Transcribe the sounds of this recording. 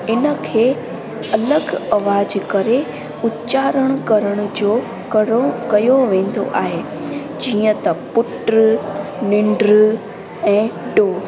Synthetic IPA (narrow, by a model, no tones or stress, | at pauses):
ɪnə̆kʰeː | ɐləɡɐʋaːd͡ʑkɐɾe | ʊtt͡ɕaːɾəɽ̃ʊkɐɾəɽ̃ʊ̆d͡ʑoː | kɐjoʋẽːn̆d̪o̰ʔa̰ːɦe | d͡ʑiːə̃t̪ɐpʊʈɾnɪ̃ɳɖɾ | ɛ̃ːɖoː